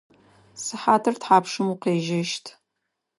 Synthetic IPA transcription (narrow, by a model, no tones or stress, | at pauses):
sɨħaːtʰɨrtħaːpʂɨmuqeːʒɐʃtʰ